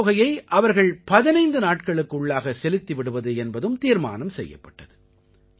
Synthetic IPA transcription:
ɣɐjɐɪʔɐʋɐɾɣɐɭpɐðɪnɐɪnd̪ɯnaːʈ̚kɐɭɯkːʊɭːaːɣɐsɛlɪt̪ːɪʋɪɽɯʋɐðɯɛnbɐðɯmt̪iːɾma̰ːnɐmsɛ̰jːɐ̰pːɐʈːɐðɯ

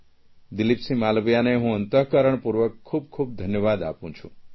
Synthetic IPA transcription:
d̪ɪlipsĩmalbjaneɦũənt̪əɦkaɾəɳ̃puɾʋəkʰːub̚kʰub̚d̪ʱənjəʋad̪a̰pũt͡ʃʰṵ̃

